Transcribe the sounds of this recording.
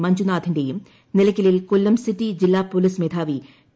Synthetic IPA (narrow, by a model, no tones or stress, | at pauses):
mɐɲd͡ʑunaːd̪ʱindejum | nilɐkʲːɐlilkolːɐmsitːid͡ʑilːaːpolismed̪ʱʰaːʋi